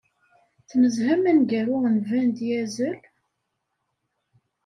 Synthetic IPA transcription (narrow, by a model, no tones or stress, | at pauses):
θnəzhæmænɡæɾʊʁnvænd̪jæzəl